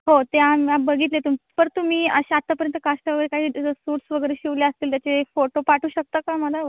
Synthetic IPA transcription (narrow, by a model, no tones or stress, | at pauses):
ɦot̪eamiabəɡʱiːt̪̬let̪umipəɾt̪um̤iːəɕeat̪ːapəɾjənt̪əkasʈaʋəɡəɾekaɦiːsuʈsʋəɡəɾeɕiʋljeəst̪iːlt̪jat͡sefoʈopaʈʰuːɕək̚t̪akaməlaə